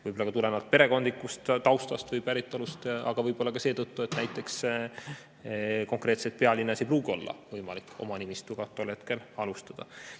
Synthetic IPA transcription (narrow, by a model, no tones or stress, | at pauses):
vɯjbolːɑkɑt̪ulenɑlt̪̚pe̞ɾe̞ko̞nd̪likːˑust̪t̪ɑwst̪ɑst̪vɤjpæɾit̪ːˑolust̪ɑɡ̥ɑvɤjbo̞lːɑkɑse̞ːt̪ɤt̪ːue̞t̪næjt̪ˑːe̞ks | ko̞ŋkɾe̞ːt̪se̞t̪̚peɑlʲinːesejp̬ruːɡio̞lːɑ̰vɤjmɑlikːˑo̞̰mɑnimist̪uɡ̥ɑt̪ːˑolhe̞t̪ke̞lɑlust̪ɑd̪̥ɑ